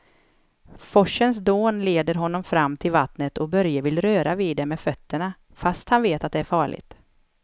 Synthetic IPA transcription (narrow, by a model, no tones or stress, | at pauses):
fɔʂːəns̬d̪oːnleːd̪əɾɦɔnːɔmfɾamːt̪ʰɪlvat̪nət̪ʰɔbœɾjavɪlɾøːɾaviːd̪ɛmɛːfœt̪ʰːəɳa | fast̪hanveːt̪at̪̚d̪ɛæɾfɑːɭɪ̰ɡt̪